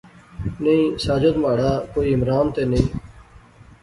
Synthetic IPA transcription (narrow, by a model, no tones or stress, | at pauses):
neĩːsaːd͡ʒod̪maːɽaːkoːiːɪmɾaːnt̪eːnəĩː